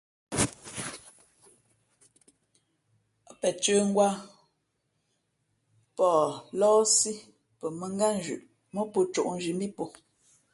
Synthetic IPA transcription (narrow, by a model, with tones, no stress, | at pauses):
pɛ˨t͡ʃə˦ŋ̩˦ɡwa˦ | pɔː˨lɔː˦si˦ | pə˨mə˨ŋ˦ɡa˦n̩˨˦d͡ʒʉ̰˨ʔ | mə˦po˨t͡ʃo̰˨ʔn̩˦d͡ʒi˨m˦bi˦po˨